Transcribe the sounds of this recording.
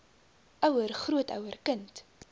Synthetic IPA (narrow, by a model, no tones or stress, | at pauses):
ʔœwərχruətœ̰wərkənt